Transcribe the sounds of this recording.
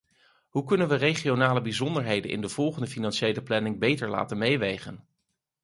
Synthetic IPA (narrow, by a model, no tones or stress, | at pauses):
ɦukɵnənʋərejχionaːləbizɔndəɹɦejdə̰nʔɪ̰ndəv̥ɔlˠχəndəfinɑnʃejləplɛnɪŋbejtəɹla̰ːtənmejʋejχən